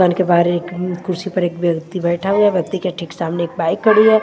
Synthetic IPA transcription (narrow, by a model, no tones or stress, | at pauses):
ankebaɦɾeeːkkʊɾsipɐɾeːkʋjɐkt̪ibɛːʈʰaɦuabɐk̚t̪ikeʈʰiksaːmneeːk̚baːɪkːɐɽiɛː